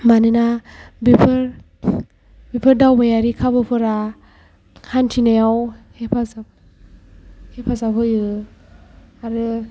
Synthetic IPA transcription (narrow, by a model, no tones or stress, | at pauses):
manɯnabipʰɯɾ | bipʰɯɾdawbajaɾikʰabɯpʰɯɾa | hantʰinajawhepʰazap | hepʰazaphɯjɯ | aɾɯ